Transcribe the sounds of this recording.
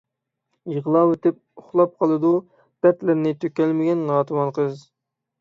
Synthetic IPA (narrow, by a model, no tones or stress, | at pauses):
jəʁlˠɑwet̪ɪp̚ʊχlˠɑp̚qʰɑlˠɨd̪u | d̪̥ɛt̪lɪɾnɪt̪ʰøkʲɛlmɪɡʲɛnːɑːt̪ʰɨwɑnqʰəz